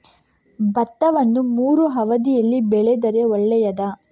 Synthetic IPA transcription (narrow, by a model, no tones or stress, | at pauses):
bɐt̪ːɐʋɐnːumuːɾuɦɐʋɐd̪ijɐlːibɛɭɛd̪ɐɾeɔɭːɛjɐd̪ɐ